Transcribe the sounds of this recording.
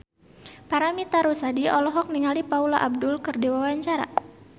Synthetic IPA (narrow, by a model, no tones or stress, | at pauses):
paɾamit̪aɾusadiɔlɔɦɔk̚niŋalipaulaʔab̚dʊlkɨrdiwawaɲt͡ʃaɾa̰